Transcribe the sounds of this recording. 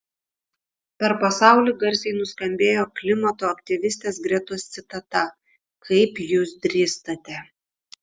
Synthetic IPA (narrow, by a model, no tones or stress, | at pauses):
pʲɛɾpɐsɑˑʊlʲiːˑɡɐɾʲsʲɛɪnʊskɐmʲbʲeːjoːklʲɪmɐt̪oːɐkt̪ʲɪʋʲɪsʲt̪ʲeːsɡɾʲɛt̪ost̪sʲɪt̪ɐt̪ɐ | kʰɐɪpjuːsd̪ʲɾʲiːst̪ɐt̪ʲɛ